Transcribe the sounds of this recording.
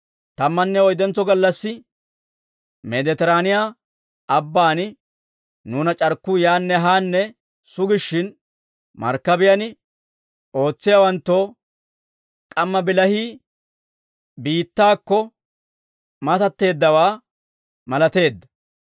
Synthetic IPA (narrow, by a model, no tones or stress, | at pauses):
t̪ɐmːɐnːɛɔjd̪ɛnt͡sːɔɡɐlːɐsːɪ | mɛd̪ɛt̪ɛɾaːnɪjaː | ɐbːaːnɪ | nuːnɐt͡ʃʼɐɾkːʊjaːnːɛɦaːnːɛ | sʊɡɪʃːɪn | mɐ̰ɾkːɐbɪjɐnɪ | o̞ːt͡sːɪjawɐnt̪ːoː | kʼɐmːɐbɪlɐhiː | biːt̪ːaːkːɔ | mɐt̪ɐt̪ːe̞ːd̪ːɐwaː | mɐlɐt̪e̞ːd̪ːɐ̥